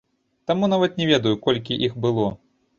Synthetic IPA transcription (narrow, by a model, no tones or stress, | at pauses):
t̪amunavɐt̪nʲɛvʲɛd̪ɐjukɔlʲkʲiʔixbɨlˠɔ